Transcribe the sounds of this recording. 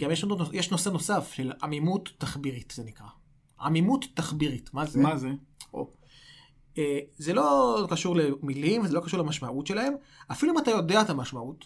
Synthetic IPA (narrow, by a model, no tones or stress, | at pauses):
ɡamjeʃnojeʃno̞seno̞safʃela̰mimutːaχbiʁitz̥enikʁa | a̰mimutːaχbiʁitmamazeo̰ | ezelo̞kaʃuʁle̞milimvezelo̞kaʃuʁlemaʃmaʔutʃe̞lahe̞m | afiluimatajo̞deatamaʃmaut